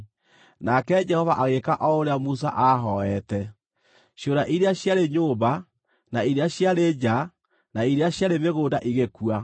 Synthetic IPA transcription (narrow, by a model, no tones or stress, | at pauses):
nakɛd͡ʒɛhɔvaʔaɣekaʔɔoɾeamus̬a̰ʔaɦɔɛtɛ | ɕjoɾaʔiɾeaɕjaɾeɲoːba | naiɾeaɕjaɾed͡ʒa | naiɾeaɕjaɾemeɣoːndaʔiɣekwa